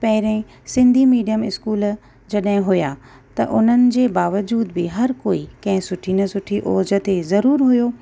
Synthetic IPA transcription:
pɐɦɪɾẽ | sɪ̃nd̪ʱimiːɖijəmɪskuːl | d͡ʑɐɗɦɪ̃ɦʊja | t̪ɐʔʊn̤ənɪ̆d͡ʑeːbaːʋəd͡ʑuːd̪bɪɦɐɾkoːikɐ̃ɦɪ̃sʊʈʰinɐsʊʈʰiʔoːd͡ʑə̆t̪ezɐɾuːɾɦʊjoː

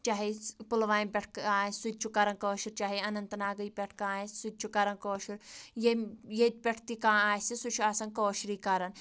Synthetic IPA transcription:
t͡ʃaːɦipulʋaːnpʲeʈʰkaːsut̪̚ʲt͡ʃʰukɐɾɐnkoːʃiɾt͡ʃaːɦiɐnɐnt̪ɐnaːɡɐipʲeʈʰkaːssut̪̚ʲt͡ʃʰukɐɾɐnkoːʃiɾjejet̪̚ʲpʲeʈʰt̪ikãːaːjsisut͡ʃʰuasɐnkoːʃɾiːkɐɾɐn

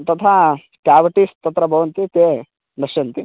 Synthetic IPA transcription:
t̪ɐt̪ʰa | kaːʋɐʈist̪ɐt̪ɾɐbʱɐʋɐnt̪it̪eː | nɐʃɐnt̪i

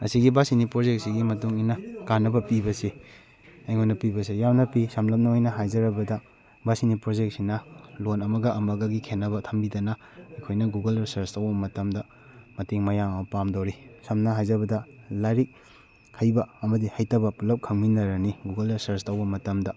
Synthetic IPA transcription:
ɐ̰siɡibasinipɾod͡ʒek̚siɡimɐtuŋijnɐkanːɐbɐpibɐse | ɐjŋojnɐpibɐs̬ejamnɐpisɐmlɐp̚nɐojnɐɦajzɐɾɐbɐdɐ | basinipɾod͡ʒek̚sinɐlonɐmɐɡɐʔɐmɐɡɐɡikʰenːɐbɐtʰɐmbidɐnɐ | ɐjkʰojnɐɡuɡɐlɾisɐɾstɐwbɐmɐtɐmdɐ | mɐteŋmɐjaŋɐmɐpamdowɾisɐmnɐɦajzɐbɐdɐlaɾik̚ | hʰɐjbɐɐmɐdihajtɐbɐpulɐp̚kʰɐŋminɐɾɐniɡuɡɐlɾisɐɾstawbɐmɐtɐmdɐ

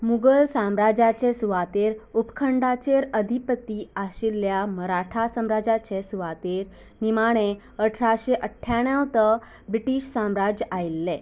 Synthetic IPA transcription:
muɡəlsãmɾad͡ʑat͡ɕesuʋat̪eɾupkʰəɳɖat͡ɕeɾəd̪ʱipət̪iaɕilːjaməɾaʈʰasəmɾad͡ʑat͡ɕesuʋat̪eɾ | nimaɽ̃e | əʈʰɾaɕeʔəʈʰːjaɽjãwt̪ə | bɾiʈiɕsãmɾad͡ʑajlːe

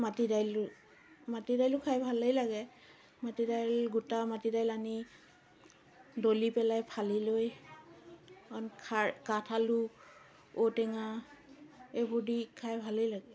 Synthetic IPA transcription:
matidajl | matidajlukʰajbʱalejlaɡɛ | matidajlɡutamatidajlani | dolipɛlajpʰaliloj | ɔnkʰakatʰaluk | otɛŋa | ebʱudikʰajbʱalejlaɡɛ

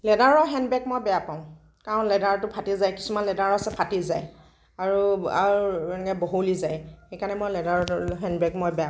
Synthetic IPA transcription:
lɛdaɹɔɦɛnbɛk̚mojbɛjapaʊ̃ | kaɹʊ̃nlɛdaɹtʊpʰatizajki̥sumanlɛdaɹasɛpʰatizaj | aɹuankɛboɦulizajxejkanɛmojlɛdaɹɔɦɛnbɛkmɔjbɛja

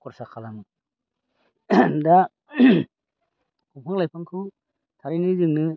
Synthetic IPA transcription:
kʰɔɾsakʰalaŋ | da | kupʰaŋlajpʰaŋkʰɯ | tʰaɾinizɯŋnɯ

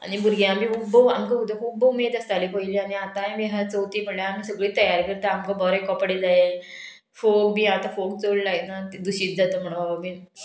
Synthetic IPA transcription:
a̰ɽ̃ibʱuɾɡeamĩːubʱəʋa̰mkəɦud̪əkʰuːbumed̪əst̪alipəiliːaɽ̃iat̪aemiɦat͡səwt̪iːpəɽlaam̤iːsəɡɭiːt̪əjaɾkəɾt̪əamkəbɔɾekɔpɽid͡zae | fok̚bʱiːat̪afok̚t͡soɽlaenat̪d̪uɕiːt̪̚d͡zat̪əm̤əɽ̃oababi

